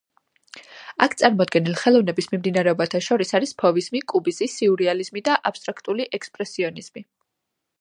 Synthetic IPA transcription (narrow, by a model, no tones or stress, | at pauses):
akʰt̪sʼaɾmɔd̪ɡɛnilˠχɛlˠɔvnɛbismimd̪inaɾɛɔbat̪ʰaʃɔɾisaɾispʰɔvizmikʼubizisiuɾializmid̪aʔapst̪ʼɾakʰt̪ʼuliʔɛkspʼɾɛsiɔniz̥mi